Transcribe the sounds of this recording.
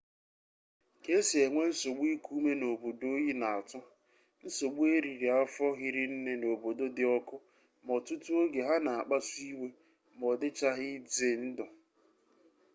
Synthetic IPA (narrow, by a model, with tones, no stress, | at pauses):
ke˦si˨e˨ŋʷe˦n̩˦so˨ɡ͡bi˦ku˦me˦no˨bo˨do˦ji˦na˨a˨tʊ˦ | n̩˦so˨ɡ͡bu˦e˦ɾi˨ɾi˨a˦fɔ˦ɣɪ˦ɾɪ˦n̩˦ne˦no˨bo˨do˦dɪ˦ɔ˦kʊ˦ | mɔ˨tʊ˦tu˦o˦ɡe˨ɦa˦na˨a˨k͡pa˦su˦i˦we˦ | m˨ɔ˨dɪ˦t͡ʃa˦ɦɪ˦d͡ze˨n̩˦dɔ˨